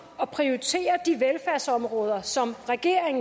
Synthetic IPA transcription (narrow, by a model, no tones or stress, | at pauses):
ɒ̽pʰʁioʁit͡sʰe̝̰ːɐd̥iʋelfæɐ̰sɒ̽mʁɔ̽ːð̞ˠɐsɒ̽mʁɛɡ̥e̝̰ɐ̰eŋ